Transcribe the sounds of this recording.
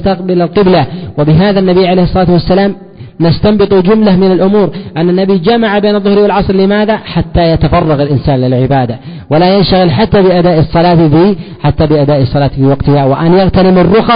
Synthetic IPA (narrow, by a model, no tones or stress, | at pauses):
st̪aqbɪlalqɪblawɪbɪɦaːðanːabijʕaleːhɨsˤːɑlɑːt̪wasːalaːm | nast̪ambɨt̪ˤud͡ʒʊmlamɪnalʔʊmuːɾʔanːanːabid͡ʒamaʕabeːnɑðˤːʊhɾiwɪlʕɑsˤɾlɪmaːðaħat̪ːajat̪afɑrˤːɑɣalʔɪnsaːnlɪlʕɪbaːd̪a | walajanʃaɣɪlħat̪ːabɪʔad̪aːʔɑsˤːɑlɑːt̪fi | ħat̪ːabɪʔad̪aːʔsˤɑlɑːt̪fiːwɑqt̪ɪhawaʔanjaɣt̪alɪmɪrːʊxɑ